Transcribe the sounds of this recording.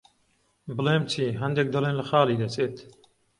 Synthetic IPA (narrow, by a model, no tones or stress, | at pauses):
bɨleːmt͡ʃʰiːɦɐnd̪eːk̚d̪ɨleːnlɐxɑːliːd̪ɐt͡sʰeːt̪